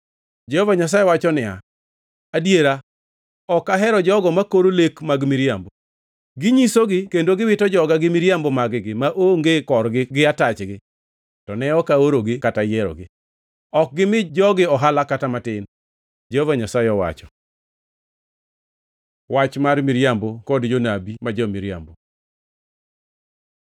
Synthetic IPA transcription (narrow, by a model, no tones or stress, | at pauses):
d͡ʒɛhovaɲas̬ajewat͡ʃɔnɪa̰ | adjeɾa | ɔkaɦɛɾɔd͡ʒɔɡɔmakoɾolekmaɡmɪɾjambo | ɡɪɲisoɡɪkendoɡɪwɪtɔd͡ʒɔɡaɡɪmɪɾjambomaɡɪɡɪmaʔoŋɡekɔɾɡɪɡɪatat͡ʃɡɪ | tɔnɛɔkaoɾoɡɪkatajɛɾɔ̰ɡɪ | ɔk̚ɡɪmɪd͡ʒɔɡɪɔɦalakatamatɪn | d͡ʒehovaɲasaɪɔwa̰t͡ʃɔ̥ | wat͡ʃmarmɪɾjambokɔdd͡ʒonabimad͡ʒɔmɪɾja̰mbo